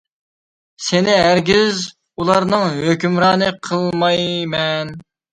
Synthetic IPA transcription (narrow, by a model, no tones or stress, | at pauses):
sɪnɪɦæɾɡʲiz | ulˠɑɾnɨŋɦøkʲymɾɑːnɨqʰəlˠmɑjmɛn